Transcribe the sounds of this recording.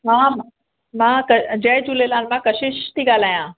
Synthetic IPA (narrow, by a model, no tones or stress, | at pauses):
mãm | mãkəd͡ʑəjt̪ulelãnmãkəɕiɕt̪iɡaːlaːjã